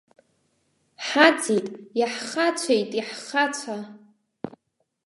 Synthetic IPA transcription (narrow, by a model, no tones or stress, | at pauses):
ħat͡sʰitʼjaħχat͡ɕʷʰejtʼiħχat͡ɕʷʰa